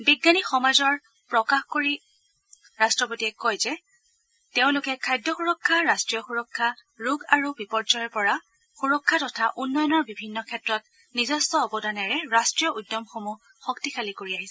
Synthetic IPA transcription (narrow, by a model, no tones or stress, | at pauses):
biɡːanixɔmazɔɹ | pɹɔkaxkoɹi | ɹastɹɔpotiɛkɔjzɛ | teʊ̃lʊkɛkʰajdɔxuɹɔkʰːaɹastɹijɔxuɹɔkʰːa | ɹuɡaɹubipɔɹd͡ʒɔjɔpɔɹa | xuɹɔkʰːatɔtʰaʔunːɔjɔnɔɹbibʱinːɔkʰɛtɹɔt̚ | nizɔstɔːbɔdanɛɹɛɹastɹijɔʔudːjɔmxomu | xɔktikʰalikoɹiaɦisɛ